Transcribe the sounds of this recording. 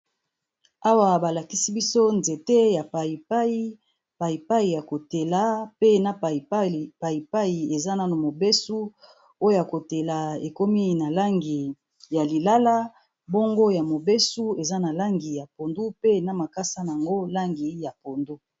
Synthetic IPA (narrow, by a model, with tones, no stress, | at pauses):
a˦wa˨ba˨la˨ki˦si˦bi˦so˦nze˨te˦ja˨pa˨i˨a˦i˦ | pa˨i˨pa˦i˨ja˨ko˨te˨la˦pe˦na˦˨˦pa˨i˨pa˦i˨e˨za˦na˨mo˨be˦su˦ | o˦jo˦ja˨ko˨te˨la˨e˨ko˦mi˦na˨la˦ŋɡi˨ | ja˨li˨la˦la˦ | bo˦ŋɡo˦ja˨mo˨be˦su˦e˨za˦na˨la˦ŋɡi˨ja˨po˨ndu˦pe˦na˨ma˨ka˦sa˦n˨a˨ŋɡo˦la˦ŋɡi˨ja˨po˨ndu˦